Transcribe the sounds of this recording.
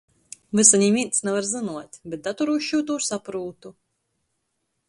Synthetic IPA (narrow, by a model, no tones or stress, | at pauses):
vɨsaɲʲiːmʲiːt̪snɛvaɾzɨnuɔt̪ʲbʲɛt̪̚d̪at̪uɾuʃuːt̪uːsapɾuːt̪u